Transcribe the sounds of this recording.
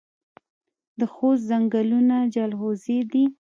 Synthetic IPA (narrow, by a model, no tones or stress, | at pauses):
d̪əxost̪zaŋɡalunad͡ʒalhozed̪i